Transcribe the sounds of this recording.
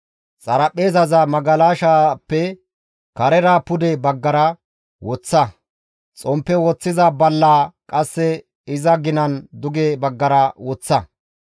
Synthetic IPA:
t͡sʼɐɾɐpʼːe̞ːzɐzɐmɐɡɐlaːʃapːɛ | kɐɾɛɾaːpʊd̪ɛbɐɡːɐɾɐ | wɔt͡sːɐ | t͡sʼɔmpːɛwɔt͡sːɪzɐbɐlːaːkʼɐsːɛ | ɪzɐɡɪnɐnd̪ʊɡebɐɡːɐɾɐwɔt͡sːɐ

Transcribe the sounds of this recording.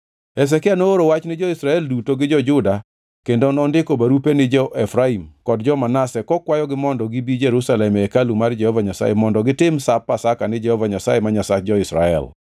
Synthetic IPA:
ɛs̬ɛkɪanooɾowat͡ʃnɪd͡ʒɔisɾaɛldutoɡɪd͡ʒɔd͡ʒʊda | kendonɔndɪkobaɾupenɪd͡ʒɔʔɛfɾaimkɔdd͡ʒɔmanasɛkɔkwajɔɡɪmɔndɔɡɪbid͡ʒeɾusalɛmɛkalumard͡ʒɛhɔvaɲasa̰jemɔndɔɡɪtɪmsapːasakanɪd͡ʒɛhɔvaɲasajemaɲasak̚d͡ʒɔɪsɾa̰ɛ̰l

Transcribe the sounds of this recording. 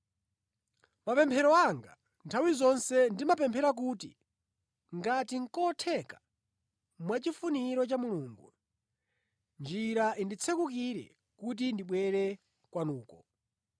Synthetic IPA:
mapɛmpʰɛɾɔaŋɡa̰ | ntʰawizɔnsɛndimapɛmpʰɛɾak̬utḭ | ŋɡatiŋ̩kɔtʰɛkḁ | mwat͡ʃifuniɾɔt͡ʃamuluːŋɡṵ | nd͡ʒiɾaʔindit͡sʰɛkukiɾɛ̰ | kut̬indiɓwɛɾɛ | kwanuːkɔ

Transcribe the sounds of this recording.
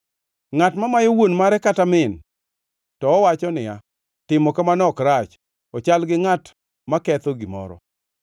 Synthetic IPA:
ŋatmamajowonmaɾɛkatamɪn | tɔːwat͡ʃɔnɪja | tɪmɔkamanɔkɾat͡ʃ | ɔt͡ʃalɡɪŋat | makɛt̪ɔɡimɔ̰ɾɔ̰

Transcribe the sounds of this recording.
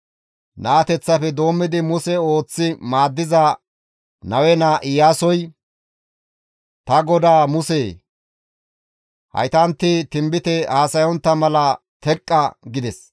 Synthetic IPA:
naːt̪ɛt͡sːɐpɛd̪o̞ːmːɪd̪ɪmʊsɛo̞ːt͡sːɪmaːd̪ːɪzɐ | nɐwɛnaːʔɪjaːsɔj | t̪ɐɡɔd̪aːmʊseː | hɐ̰jt̪ɐnt̪ːɪt̪ɪmbɪt̪ɛaːsɐjɔnt̪ːɐmɐlɐ | t̪ɛkʼːɐɡɪd̪ɛs

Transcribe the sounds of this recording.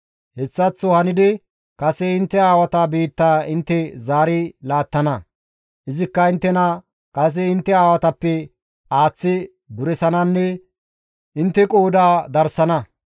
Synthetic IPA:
hɛsːɐt͡sːɔhɐnɪd̪ɪ | kɐsɛɪnt̪ːɛaːwɐt̪abiːt̪ːaːɪnt̪ːɛzaːɾɪlaːt̪ːɐnɐ | ʔɪzɪkːɐɪnt̪ːɛnɐ | kɐs̬ɛɪnt̪ːɛaːwɐt̪ɐpːɛ | aːt͡sːɪ | bʊɾɛsɐnɐnːɛ | ʔɪnt̪ːɛkʼoːd̪aːd̪ɐɾsɐnɐ

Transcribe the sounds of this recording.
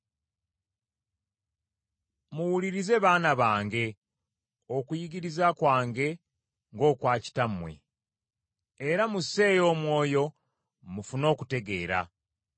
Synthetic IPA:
muwuliɾize̞βaːnaβaːŋɡe̞ | okujiɡiɾizakwaːŋɡe̞ | ŋɡo̞ːkwaːci̥tamwe̞̰ | ɾamuse̞ːjo̞ːmwo̞ːjo̞ | mufuno̞ːkute̞ɡe̞ːɾa̰

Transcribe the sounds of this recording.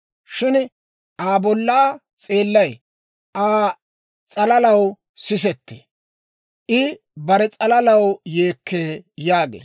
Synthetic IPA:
ʃɪn | ʔaːbɔlːaː | t͡sʼe̞ːlːɐj | ʔaː | t͡sʼɐlɐlɐw | sɪs̬ɛt̪ːḛ | ʔɪ | bɐɾɛt͡sʼɐlɐlɐwjeːkːeːjaːɡḛː

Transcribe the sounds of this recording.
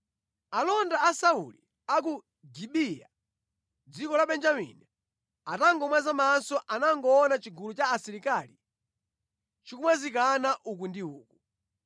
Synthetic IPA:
alɔndaːsaṵli | ak̬u | ɡiɓija̰ | d͡zikɔlaɓɛnd͡ʒamḭni | ataŋɡɔmwazamansɔʔanaŋɡɔːnat͡ʃiɡulut͡ʃaːsiɾikali | t͡ʃikumwazik̬anaʔuk̬undiuːku

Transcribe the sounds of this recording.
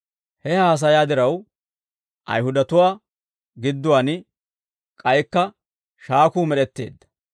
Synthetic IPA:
hɛhaːs̬ɐjaːd̪ɪɾɐw | ʔɐ̰jhʊd̪ɐt̪ʊwaː | ɡɪd̪ːʊwaːn | kʼɐjkːɐ | ʃaːkuːmɛɗɛt̪ːḛːd̪ːɐ̥

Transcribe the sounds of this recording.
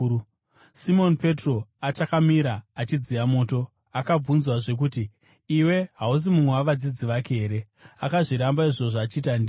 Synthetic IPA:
simo̞npe̞tro̞at͡ʃakamiɾaːt͡ʃid͡zijamo̞ːto̞ | akab͡vunzwaʐe̞k̬uːtiː | we̞ɦaus̬imumwewaʋad͡zid͡ziʋakeeːɾe̞ | akaʐiɾambaiʐo̞ʐaːt͡ʃiːtandi

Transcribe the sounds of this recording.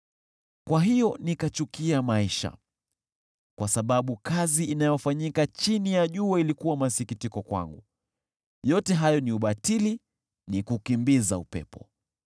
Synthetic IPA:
kwaɦijɔnikat͡ʃukiamaiʃa̰ | kwasaɓaɓukaziːnajɔfaɲikat͡ʃinijaʄuailikuwamasikitikɔkwa̰ŋɡu | jɔtɛɦajɔniuɓatili | nikukimbizaupɛ̰pɔ

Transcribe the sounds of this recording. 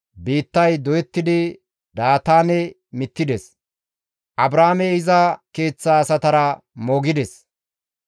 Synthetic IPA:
biːt̪ːɐjd̪ɔjɛt̪ːɪd̪ɪ | d̪aːt̪aːnɛ | mɪt̪ːɪd̪ɛs | ʔɐbɾaːmɛɪzɐke̞ːt͡sːaːsɐt̪ɐɾɐmoːɡɪd̪ɛs

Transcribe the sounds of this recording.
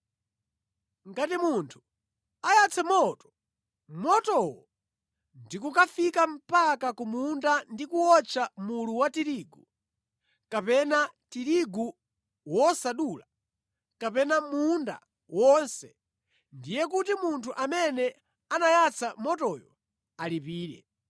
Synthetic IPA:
ŋɡatimuntʰu̥ | ajat͡sʰɛmɔtɔ̥ | mɔtɔwɔ | ndikukafikam̩pakakumundandikuɔt͡ʃʰamuluwatiɾiːɡu | kapɛnatiɾiɡu | wɔsaɗuːla | kapɛnamunda̰ | wɔnsɛ | ndijɛk̬utimuntʰuʔamɛnɛ | anajat͡sʰamɔtɔjɔ | alipiːɾɛ̰

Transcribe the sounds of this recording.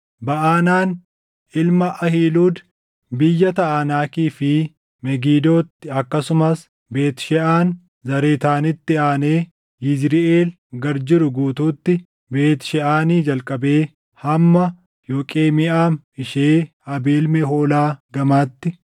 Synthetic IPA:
bɐʔaːnaːn | ʔɪlmɐʔɐhiːluːd̪ | bɪjːɐt̪ɐʔaːnaːkiːfɪ | mɛɡiːd̪o̞ːt̪ːɪɐkːɐsʊmɐs | be̞ːt̪ʃɛʔaːn | zɐɾeːt̪aːnɪt̪ːɪaːneː | jɪd͡ʒɾɪʔeːl | ɡɐɾd͡ʒɪɾʊɡuːt̪uːt̪ːɪ | be̞ːt̪ʃɛʔaːniːd͡ʒɐlkʼɐbe̞ː | hɐmːɐ | jo̞ːkʼe̞ːmɪʔaːm | ɪʃeː | ɐbeːlmɛɦo̞ːlaːɡɐmaːt̪ːɪ

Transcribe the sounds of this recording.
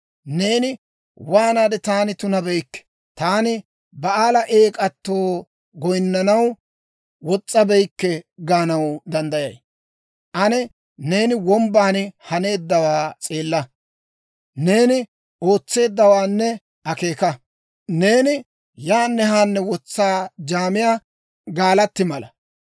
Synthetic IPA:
ne̞ːnɪ | waːnaːd̪ɛt̪aːnɪt̪ʊnɐbɛjkːɛ̥ | t̪aːnɪ | bɐaːlɐʔe̞ːkʼɐt̪ːo̞ː | ɡɔjnːɐnɐw | wɔt͡sʼːɐbɛjkːɛɡaːnɐwd̪ɐnd̪ɐjɐj | ʔɐnɛ | ne̞ːnɪwɔmbaːnɪhɐne̞ːd̪ːɐwaːt͡sʼe̞ːlːɐ | ne̞ːnɪ | o̞ːt͡sːe̞ːd̪ːɐwaːnːɛ | ɐke̞ːkɐ | ne̞ːnɪ | jaːnːɛhaːnːɛwɔt͡sːaːd͡ʒaːmɪjaː | ɡaːlɐt̪ːɪmɐlɐ

